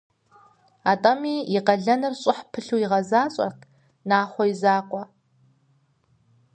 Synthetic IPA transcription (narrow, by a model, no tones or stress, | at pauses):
atʼɐmiːɪqɐɮɐnɨrɕʼɪħpʰɨɬuːiʁɐzaːɕʼɐ̰rkʰʼ | naːχʷɔizaːqʷɔ